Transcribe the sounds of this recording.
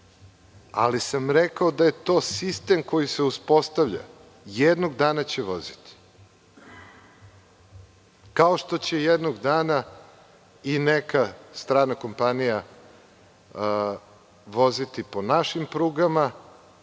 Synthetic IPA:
a̰lisamɾekaod̪aje̞t̪o̞ːsist̪e̞mko̞jiseuspo̞st̪aʋʎa̰ | jed̪noɡd̪aːnat͡ɕeʋo̞zit̪i̥ | kao̞ʃt̪o̞t͡ɕejed̪noɡd̪aːna | inekast̪ɾaːnako̞mpanija | ʋo̞zit̪iponaʃimpɾuːɡama

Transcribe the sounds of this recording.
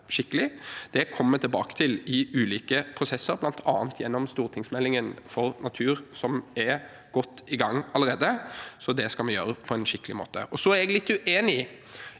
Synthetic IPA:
ʃɪkːəlɪd̪̥ɛkʰɔmːət̪ʰɪlbɑːkə̥t̪ʰɪlɪʉːliːkəpʰɾʊsɛsːəɾblɑnt̪ʰɑ̰ːənt̪ʰjɛnːɔmst̪uːʁt̪ʰɪŋsmɛlːɪŋənfɔɾnɑt̪ʰʉːɾsɔmɛɾ | ɡ̥ɔt̪ːɪɡɑŋːɑləɾeːd̪əsɔd̪ɛskɑlmɛjøːɾəpʰɔɛnʃɪkːəlɪmo̰ːt̪ə̰ʔɔsɔæɾɛɡlɪt̪ːʉʔeːnɪ

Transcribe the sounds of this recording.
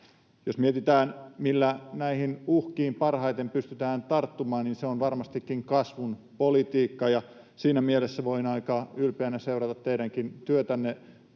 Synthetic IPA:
josmiet̪it̪æːnmilːænæihinuhkiːmpɑrhɑit̪empyst̪yt̪æːnt̪ɑrt̪ːumɑːnninseonʋɑrmɑst̪ikːiŋkɑsʋunpolit̪iːkːɑjɑ | siːnæmielesːæʋoinɑikɑːylpeænæseurɑt̪ɑt̪tːeiɾæŋkint̪yøt̪ænːe

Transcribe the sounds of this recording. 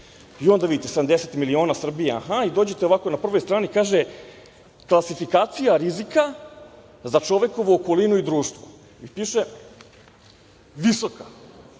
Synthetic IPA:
io̞nd̪aʋid̪it̪eseamd̪eset̪milio̞ːnasr̩bijea̰xaid̪o̞ːd͡ʑe̞t̪eoʋakonapr̩ʋo̞jst̪ɾaːnikaːʒe | klˠasifikaːt̪sijaɾizika | zat͡ʂo̞ʋe̞ko̞ʋuːkolinuid̪ɾuːʃt̪ʋo̥ | mipiːʃe | ʋiso̞ka

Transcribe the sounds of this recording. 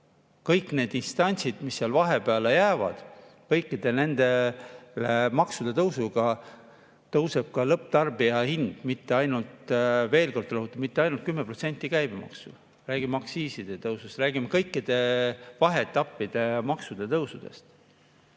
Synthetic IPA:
kɤjkːˑne̞ːd̪inst̪ɑnʲt̪sid̪̥misːiɑlvɑɦe̞peɑle̞jæːvɑ̰d̪̥ | kɤjkːid̪̥e̞ne̞nd̪̥e̞lemɑksud̪̥e̞t̪ɤwsuɡ̥ɑ | t̪ɤwse̞b̥̚kɑlɤp̚ːt̪ɑrbijɑhind̪̥mit̪ːe̞ɑjnult̪ve̞ːlko̞rd̪̥rɑɦut̪ːˑu̥mit̪ːeɑjnult̪kymːepro̞t̪se̞nʲt̪ːˑikæjb̥emɑ̰ksṵ | ræːɡimmɑksiːsid̪̥e̞t̪ɤwsust̪ræːɡ̥imekɤjkːid̪̥e̞vɑɦet̪ːˑɑpːid̪̥e̞mɑksud̪̥e̞t̪ɤwsud̪̥e̞̰st̪

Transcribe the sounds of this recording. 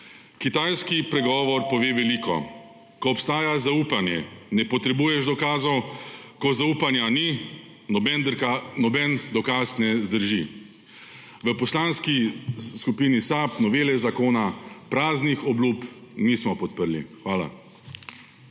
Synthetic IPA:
kit̪ajskipɾɛɡɔːʋɔɾpɔʋeːʋɛliːkʰɔ̰ | kɔɔpst̪aːjazaupanjɛ̰nɛpɔt̪ɾɛbuːjɛʒd̪ɔkaːzɔw | kɔzauːpanjani | ɔbɛnanɔbɛnd̪ɔkaːsnɛzd̪əɾʒi | ʋəpɔslaːnskiskupiːnisaːpnɔʋeːlɛzakoːnapɾaːznixɔbluːpnismɔpɔt̪̚pəɾlḭxʋaːla̰

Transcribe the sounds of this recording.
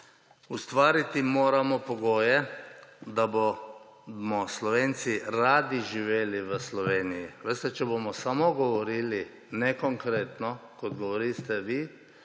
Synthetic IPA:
ust̪ʋaːɾit̪imoːɾamɔpɔɡoːjɛ | d̪abo | mɔslɔʋeːnsiɾaːd̪iʒiʋeːliʋəslɔʋeːnijiʋest̪ɛt͡ʃɛbomɔsamɔɡɔʋɔɾiːli | nɛkɔŋkɾeːt̪nɔkɔd̪ɡɔʋɔɾiːst̪ɛʋi

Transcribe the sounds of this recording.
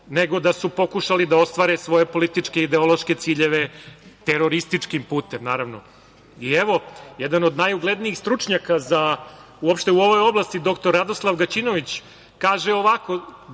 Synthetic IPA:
ne̞ɡo̞d̪asupo̞kuʃalid̪ao̞st̪ʋaːɾesʋo̞je̞po̞lit̪it͡ʂkeid̪eo̞lˠo̞ʃke̞t̪siːʎe̞ʋe̞t̪eɾo̞ɾist̪it͡ʂkimpuːt̪emnaːɾaʋno | ieʋo̞jed̪anod̪najuɡled̪niixst̪ɾut͡ʂɲakaza | uopʃt̪euo̞ʋo̞jo̞blˠast̪id̪o̞kt̪oɾːad̪oslˠaʋɡat͡ɕino̞ʋit͡ɕ | kaːʒeoʋako̞

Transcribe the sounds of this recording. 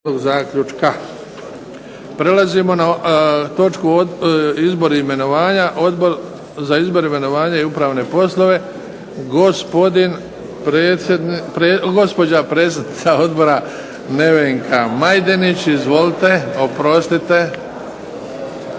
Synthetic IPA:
oɡzaːkʎut͡ʃka | pɾe̞lazimo̞nat̪o̞t͡ʃkuoizbo̞ɾaime̞no̞ʋaːɲaʔo̞d̪bo̞ɾ | zaizbo̞ɾime̞no̞ʋaːɲaiupɾaːʋne̞po̞slˠo̞ʋe̞ | ɡo̞spo̞d̪in | pɾeed̪pɾeɡo̞spo̞d͡ʑapɾe̞t̪s̬ʲed̪nit̪sao̞d̪bo̞ɾa | ne̞ʋeŋkʰamajd̪enit͡ɕizʋo̞lit̪e̞o̞pɾo̞st̪it̪e̞

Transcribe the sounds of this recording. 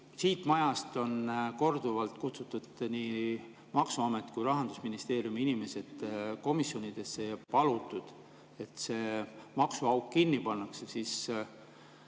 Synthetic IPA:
siːt̪ːˑmɑjɑst̪o̞nko̞rd̪uvɑlt̪kut̪sut̪ːud̪̥niː | mɑksuɑmet̪ːkujɾɑɦɑnd̪̥usminist̪e̞ːɾijumiinime̞se̞d̪̥ko̞misjo̞nid̪̥e̞sːepɑlut̪ːˑud̪̥ | e̞t̪se̞ːmɑksuɑwkkinːipɑnːɑksesiːs

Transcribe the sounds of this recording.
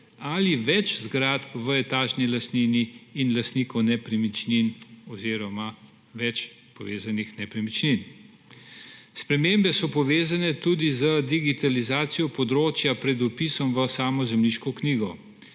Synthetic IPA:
aliʋɛt͡ʃzɡɾat̪ʋəɛt̪aːʒnilast̪niːniːnlast̪nikɔwnɛpɾimit͡ʃninɔziːɾɔma | ʋɛt͡ʃ | pɔʋeːzanixnɛpɾimit͡ʃnin | spɾɛmembɛsɔpɔʋeːzanɛt̪ud̪izəd̪iɡit̪alizaːt̪sijɔpɔd̪ɾoːt͡ʃjapɾɛd̪ɔpisɔmʋəsaːmɔzɛmliʃkɔkniːɡɔ

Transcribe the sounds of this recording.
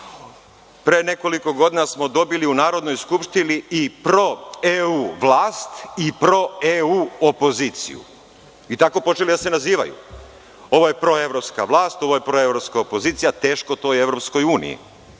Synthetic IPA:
pɾene̞ko̞liko̞ɡo̞d̪iːnasmo̞d̪o̞biliunaːɾo̞d̪no̞jskupʃt̪iniipɾoeuːʋlaːst̪ipɾo̞euːopo̞ziːt̪sḭjṵ | it̪ako̞po̞t͡ʃe̞lid̪asenaziːʋa̰jṵ | o̞ʋojepɾo̞e̞ʋɾo̞pska̰ʋlˠaːst̪o̞ʋojepɾo̞evɾo̞pskaopo̞ziːt̪sijat̪e̞ːʃko̞t̪o̞je̞ʋɾopsko̞juːnḭjḭ

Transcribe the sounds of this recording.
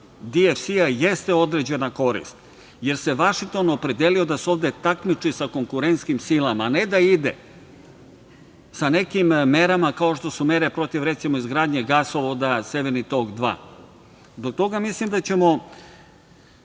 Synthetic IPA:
d̪iefsiajest̪e̞o̞d̪ɾed͡ʑe̞nako̞ɾḭst̪ | je̞ɾse̞ʋaʃiŋk̚t̪o̞nopɾe̞d̪elio̞d̪aseo̞ʋd̪e̞t̪akmit͡ʂisako̞ŋkuɾent̪skimsilamaned̪aid̪e | sane̞kimːe̞ɾamakaoʃt̪o̞sume̞ɾe̞pɾo̞t̪iʋɾet̪simoizɡɾaːd̪ɲeɡasoʋod̪ase̞ʋeɾnit̪o̞kd̪ʋa̰ː | zbok̚t̪o̞ɡamislimd̪at͡ɕe̞mo̞

